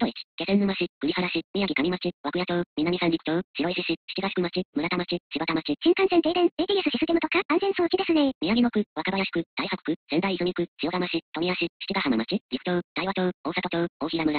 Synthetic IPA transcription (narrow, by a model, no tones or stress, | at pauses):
d̪oit͡ɕi̥ke̞sẽ̞nːɯmaɕikɯ̟ɾʲihaɾaɕimʲijaɡʲikamʲimat͡ɕiβakɯ̟jat͡ɕo̞ːmʲinːamʲisãnd͡ʑikɯ̟̥t͡ɕoːɕiɾoiɕiɕiɕi̥t͡ɕiɡaɕi̥kɯ̟mat͡ɕimɯ̟ɾat̪amat͡ɕiɕibat̪amat͡ɕiɕĩŋkãñsẽnt̪eːd̪ẽndet̪iɡʲesɨɕisɨ̥t̪emɯ̟t̪okaãnzẽ̞ɰ̃soːkʲid̪e̞sɨnemʲiaɡʲiɡ̪okɯ̟βakabajaɕi̥kɯ̟d̪̥aihakɯ̟̥kɯ̟z̥ẽ̞nd̪aiizoɲʲikɯ̟ɕijo̞t̪amaɕit̪o̞mʲiaɕiɕi̥t͡ɕiɡahamamat͡ɕid͡ʑikɯ̟t͡ɕo̞ːd̪̥aiβat͡ɕoːoːsak̪ot͡ɕoːoːçʲiɾamɯ̟ɾa